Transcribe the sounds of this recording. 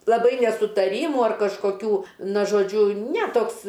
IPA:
lˠɐˈbɐɪ nʲɛsʊtɐˈrʲiːmʊ ɐr kɐʃkoːˈkʲuː ˈnɐ ʒoːˈd͡ʒʲʊ nʲɛ ˈtoːks

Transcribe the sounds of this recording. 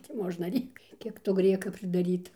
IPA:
tʲɪ ˈmoːʒnɐ ˈrʲeːkt ˈkʲiɛk toː ˈɡrʲiɛkɐ pʲrʲɪdɐˈrʲiːtɐ

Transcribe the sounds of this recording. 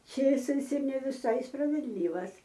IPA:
ˈt͡ʃʲeːsɐɪs ɪr nʲɛ ʋʲɪˈsɐɪ sprɐʋʲɛdʲˈlʲiːʋɐs

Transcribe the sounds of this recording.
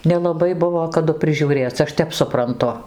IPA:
nʲɛlˠɐˈbɐɪ ˈbʊʋoː kɐˈdʊ pʲrʲɪʒʲuːˈrʲeːt͡sʲ ˈɐʃ ˈtʲɛp sʊprɐnˈtʊ

